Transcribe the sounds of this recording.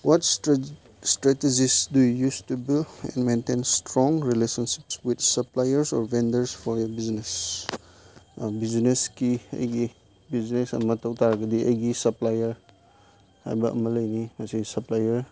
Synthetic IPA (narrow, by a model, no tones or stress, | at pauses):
wɔt | stɾɛtezisdujujustubilɛ̰̃nmentenstɾɔ̃ŋɾilesɔnsi̥pswidsɐplajɐɾsɔɾbendəɾsfʰɔɾjɔɾbiznes | bizneskiɐ̰jɡi | biznesɐ̰mɐtʰawtʰaɾaɡɐdiʔɐ̰jɡisɐplajɐɾ | ha̰jbɐʔɐ̰mɐlɐjnimɐsisɐplajɐɾ